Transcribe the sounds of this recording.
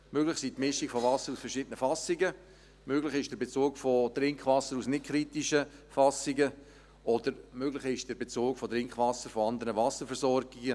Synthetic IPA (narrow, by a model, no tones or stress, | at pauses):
møɡlɪχsiːtmɪʃikfovɑsəɾusfəɾʃɪdənəfɑsɪɡə | møɡlɪχɪʃd̥ɛbet͡suːɡfotɾɪŋkχvɑsəɾusnɪt̚kʰɾitiʃəfɑsɪɡə | ʔɔdəɾmøɡlɪχɪʃd̥ɛɾbet͡suːkfɔtɾɪŋkχvɑsəɾfɔɑnd̪əɾəvɑsəɾfɛɾsɔrɡɪɡə